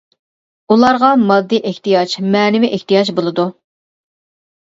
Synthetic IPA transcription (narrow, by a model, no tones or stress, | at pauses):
ulˠɑɾʁɑmɑd̪ːiʔɪht̪ijɑt͡ʃmɛːnɪvɪʔɪht̪ijɑd͡ʒbolˠɨd̪u